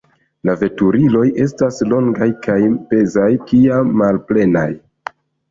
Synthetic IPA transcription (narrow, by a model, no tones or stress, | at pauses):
lave̞tuɾilo̞jʔe̞staslo̞ŋɡajkajbe̞zajkiamːalple̞na̰j